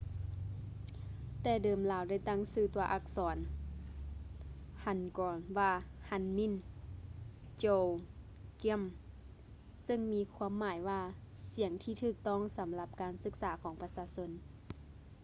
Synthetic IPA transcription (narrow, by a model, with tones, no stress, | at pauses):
t̪ɛː˧˩dɤː˨mlaː˨˦wda˥˩jt̪a˥˩˨ŋsɯː˧˩t̪u˧ɐʔa˧˩k̚sɔː˩˦n | ha˧˩nkɔː˨˩nwaː˧˩ha˧˥˨nmi˧˥˨n | t͡ɕoː˧˩wki˧˥˨m | sɤ˧˨ŋmiː˧˥kʰwu˧əmːaː˩˦jwaː˧˩si˨˩˦əŋt̪ʰiː˧t̪ʰɯː˧˩k̚t̪ɔ˥˩˨ŋsa˨˦mla˧˦p̚kaː˨nsɯ˧˥k̚saː˩˦kʰɔː˩˦ŋpa˧saː˧˦so˧˥n